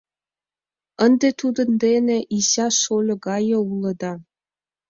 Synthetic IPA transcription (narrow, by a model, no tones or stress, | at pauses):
ə̆nd̪et̪ud̪ɤ̆nd̪eneʔiɕɑʃolʲɤ̆ɡɑjɤ̆ulˠɤ̆d̪ɑ